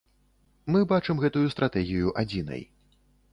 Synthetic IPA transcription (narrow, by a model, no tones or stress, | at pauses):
mɨbat͡ʂɨmɣɛt̪ujust̪ɾat̪ɛɣʲijuʔad͡zʲinɐ̰j